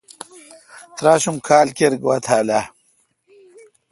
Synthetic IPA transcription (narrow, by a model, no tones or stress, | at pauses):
t̪ɾaːɕumkʰaːlkeɾɡwat̪ʰaːla